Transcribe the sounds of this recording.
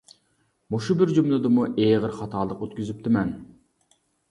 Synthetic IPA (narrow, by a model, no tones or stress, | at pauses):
moʃubɪɾd͡ʒumlˠɨd̪ɨmuʔeʁəɾχɑt̪ʰɑːlˠəqøt̪kʲyzyp̚t̪ʰɪmɛn